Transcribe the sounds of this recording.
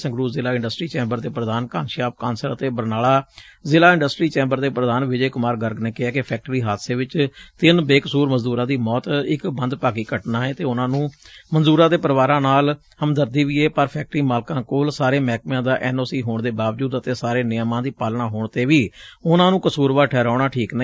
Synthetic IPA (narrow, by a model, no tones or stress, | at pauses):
sə̃ŋɡɾuːzɪlaːɪ̃ɳɖəsʈɾiːt͡ʃɛ̃ːmbəɾd̪eːpɾəd̪aːnkaːnʃaːp̚kaːnsəɾət̪eːbəɾnaːlaːzɪlaːɪ̃ɳɖəsʈɾiːt͡ʃɛ̃ːmbəɾd̪eːpɾəd̪aːnʋɪd͡ʒeːkʊmaːɾɡəɾɡneːkɪaːkɪpʰɛːk̚ʈɾiːɦaːd̪seːʋɪt͡ʃt̪ɪnbeːkəsuːɾməzd̪uːɾãːd̪iːmɔːt̪ɪkbənd̪paːkiːkəʈnaːeːt̪eːʊnãːnũːmənzuːɾãːd̪eːpəɾʋaːɾãːnaːl | həmd̪əɾd̪iːʋiːeːpəɾpʰɛːk̚ʈɾiːmaːlkãːkoːlsaːɾeːmɛːk̚mjãːd̪aːʔɛːnoːsiːɦoːɳd̪eːbaːʋd͡ʒuːd̪ət̪eːsaːɾeːnɪjmãːd̪iːpaːlɳaːɦoːɳt̪eːʋiːʊnãːnũːkəsuːɾʋaːʈʰɛːɾaːɳaːʈʰiːknə